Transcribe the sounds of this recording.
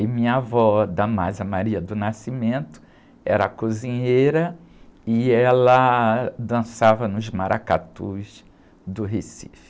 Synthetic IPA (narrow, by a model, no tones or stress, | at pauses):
ɪmĩɲɐavɔd̪ɐmazɐmaɾiɐd̪ʊnasimẽnt̪ʊ̥ | ɛɾɐakuzĩɲejɾɐɪɛlɐd̪ɐ̃savɐnʊzmaɾʔaka̰t̪uz | d̪ʊɦesifɪ̥